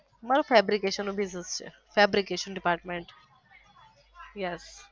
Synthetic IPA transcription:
maːɾofʰeːbɾikeːʃənobiznest͡ʃʰḛ | fʰɛːbɾikeːʃənɖɪpaːɾʈmẽɳʈ | jɛs

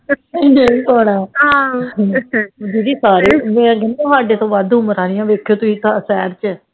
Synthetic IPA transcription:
neĩpɔːɽaːɦã | d͡ʒiːd͡ʒiːsaːɾiːmɛ̃ːɡənːõːsaːɖeːt̪õːʋaːd̪ʊməɾãːnɪjãːʋeːkʰːjoːt̪ʊiːsasɛːɾt͡ʃɛː

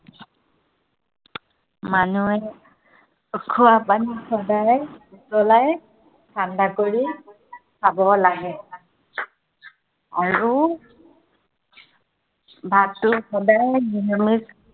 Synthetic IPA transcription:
manuɛ | kʰuapanixɔdajutɔlaj | kʰandakoɹia | sabɔlaɡɛ | aɹu | bʱatʊxɔdajdinɔmis

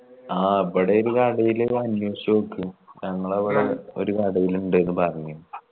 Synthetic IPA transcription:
aːɐpːɐɽeoɾukaɽɐjilɐnjɐɕɐmokːɨɲɐŋːɐɭɐʋiɽeo̞̰ɾukaɽɐjiluɳɖenːɨpɐrɐɲːum

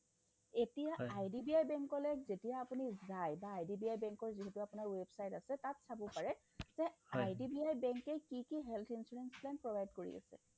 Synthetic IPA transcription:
etijaajdibiajbɛŋkɔlɛkzetijaːpunizajbaːjdibiajbɛŋkɔɹziɦetuapʊnaɹwebsajtasɛtatsabɔpaɹɛ | z̥ɛajdibiajbɛŋkɛkikiɦɛlt̪ʰinsuɹɛnsplanpɹɔbʱajd̚koɹḭa̰sɛ̰

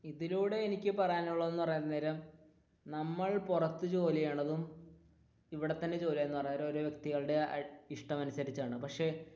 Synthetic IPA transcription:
iðiluːɽe̞ːnikʲːɨpɐrɐjanuɭːoe̞nːɨpɐrɐɲːɐðneːɾɐm | nɐmːɐɭpurɐt̪ːɨt͡ɕo̞ːlijeːɳɐðum | iʋiɽe̞t̪ːɐnːe̞t͡ɕo̞ːlijɐenːupɐrɐɲːɾɐmoɾoʋjekt̪iɣɐɭɽe̞iʂʈɐmɐnusɐɾit͡ɕːaːɳɨpɐkʂe̞

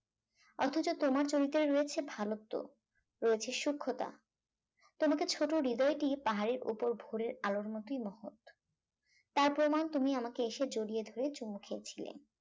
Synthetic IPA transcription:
ɔt̪ʰot͡ɕot̪omaɾt͡ɕoɾit̪ːeɾɾojet͡ɕʰebʱalot̪ːo̰ | ɾojet͡ɕʰeʃukʰːot̪a̰ | t̪omaket͡ɕʰoʈoɾid̪ɔeʈipaɦaɾeɾṵpoɾbʱoɾeɾaloɾmot̪ijmɔɦot̪ | t̪aɾpɾomant̪umiamakeeʃed͡ʑoɽied̪ʱoɾet͡ɕumːokʰeet͡ɕʰilḛn

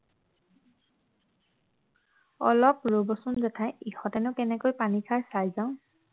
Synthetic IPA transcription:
ɔlɔp̚ɹobɔsunzɛtʰajixɔtɛnʊkɛnɛkojpanikʰaɹsajzaʊ̃

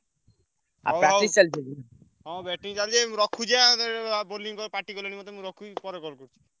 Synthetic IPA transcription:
a̰pɾaisald͡ʑed̪ina | ɦɔ̃bɛʈiŋt͡ɕald͡ʒeɾɔkʰːud͡ʒaamad̪eɾboliŋkɔɾpaʈikɔlenimɔt̪mɾɔkʰːupɔɾekɔɾkoɾt͡ʃʰi̥

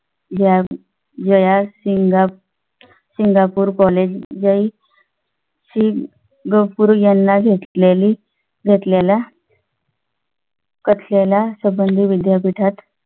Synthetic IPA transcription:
d͡ʑja | d͡ʑəjasiŋɡa | siŋɡapuːɾkɔled͡ʑjai | ɕi | ɡəpuɾjanːaɡʱet̪leli | ɡʱet̪lela | kət̪ʰlelasəbənd̪ʱiʋid̪japiʈʰat̪

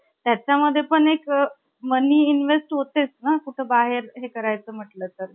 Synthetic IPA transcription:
t̪jat͡ɕaməd̪ʱːjepəɳek | məniːinʋesʈɦot̪et͡snakuʈʰebaɦeɾɦekəɾajt͡səːm̤əʈləːt̪əɾ

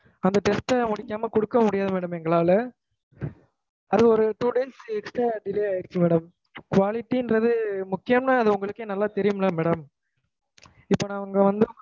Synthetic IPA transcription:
ɐnd̪ɐʈɛspɐmʊɽɪkʲːaːmɐkɔɽɯkːɐmʊɽɪjaːðɐmɛːɽɐmɛŋɡɐɭaːlɐ | ɐðɯɯɔɾɯʈuːɽɛnsɛksʈɾaːɖɪleːaːjɪɾɪt͡ʃːɯmeːɽɐm | kʋaːlɪʈːiɪndɾɐðɯmʊkːɪjɐmnaːɐðɯʊŋɡɐɭɯkːeːnɐlːaːt̪ɛɾɪjɯmlaːmɛːɽɐm | ɪpːoːnãːɐɐŋɡɐʋɐnd̪ɯ

